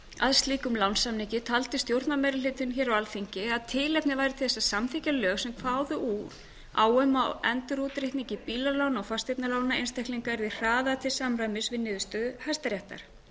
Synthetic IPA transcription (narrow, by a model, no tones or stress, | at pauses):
a̰ðst̪liːkʏmlawnsamnicɪt̪ʰalt̪ɪst̪jowɾt̪namɛjɾɪlɪt̪ʏnçɛɾawalθiɲcɪaðt̪ʰɪːlɛpnɪvaːjɾɪt̪ʰɪ̥lθɛsːasamθicalœːɣsɛmkʰvaːwðʏʔuːɾ̥ | a̰ːwœmawɛnt̪ʏɾut̪ɾɪht̪niɲcɪpiːlalawnawfast̪ejpnalaːwnnaejnst̪ʰɛhkliŋkaɛɾðir̥aːðat̪ʰɪlsamɾajmɪsvɪðnːɪːðʏst̪œðʏhast̪aɾjɛht̪a̰ɾ̥